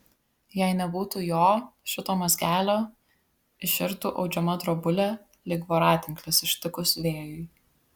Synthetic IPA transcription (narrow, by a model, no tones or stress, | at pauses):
jæɪnʲɛbuːt̪uːjoːʃʲɪt̪oːmɐzʲɡʲæːlʲoː | ɪʃʲɪɾt̪uːʔɒʊd͡ʒʲɛmɐd̪ɾɔbʊlʲɛ | lʲɪɡʋoɾɑːt̪ʲɪŋklʲɪsɪʃʲt̪ʲɪkʊsʲʋʲeːjʊɪ